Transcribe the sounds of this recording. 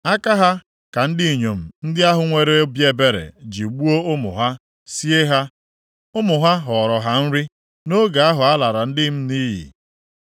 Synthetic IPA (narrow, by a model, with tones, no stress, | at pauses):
a˦ka˦ɦa˦ | ka˨n̩˦dɪ˦i˨ɲo˨m̩˨n̩˦dɪ˦a˦ɦʊ˨ŋʷe˦ɾe˦bje˨be˦ɾḛ˨d͡ʒi˨ɡ͡bu˦o˦ʊ˦mʊ̰˨ɦa˦ | si˦e˦ɦa˦ | ʊ˦mʊ˨ɦa˦ɦɔ˨ɾɔ˨ɦa˦n̩˦ɾɪ˦ | no˦ɡa˨a˦ɦʊ˨a˦la˨ɾa˨n̩˦dɪ˦m̩˦niː˦ɦḭ˨